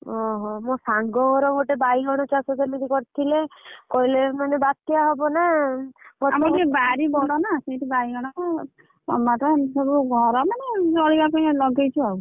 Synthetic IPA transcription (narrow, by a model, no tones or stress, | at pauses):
ɔɦɔmõsaŋɡɔɔɾɔɡoʈebaiɡɔɽ̃ɔt͡ʃasɔt̪emid̪ikɔɾit̪ʰilekɔilemanebat̪jaɦɔbɔna | ɡɔtamɔkebaɾibɔɽɔnasejʈibaiɡɔɽ̃ɔ | sɔ̰mat̪ɔsɔbuɡʱɔɾɔmaned͡ʒɔɭikakɔj̃lɔɡejt͡ʃʰuaw